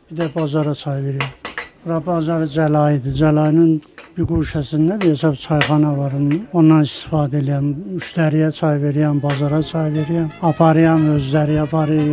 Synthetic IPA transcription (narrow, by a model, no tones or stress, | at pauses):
b̥id̪ɛbɑzɑɾɑt͡ʃʰɑjveɾijæmɾɑbɑzɑɾd͡ʒælɑjid̪id͡ʒælɑjninbiɡuʃæsind̪æb̪ijeʃɑbt͡ʃʰɑjχɑnɑvɑɾunonːɑnist̪i̥fɑːd̪ɛelijæmyʃt̪ʰæɾijæt͡ʃʰɑjve̞ɾijæmbɑzɑɾɑt͡ʃʰɑjveɾijæmɑpʰɑɾɯjɑmøzlæɾiɑpʰɑɾɯ